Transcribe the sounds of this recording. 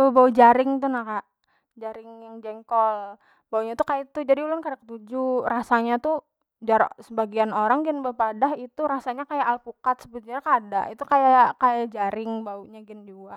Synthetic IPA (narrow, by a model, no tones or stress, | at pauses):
abaud͡ʒaɾɪŋt̪unakaʔ | d͡ʒaɾɪŋjaŋd͡ʒɛŋkɔl | bauɲat̪ukajait̪ud͡ʒadiulʊnkadakət̪ud͡ʒurasaɲat̪u | d͡ʒaɾasəbaɡianoɾaŋɡɛnbaupadahit̪uɾasaɲakajaʔːlpukat̪̚səbut̪uɲakadaʔit̪ukajaaʔkajad͡ʒaɾɪŋbauɲaɡɪnd͡ʒuaʔ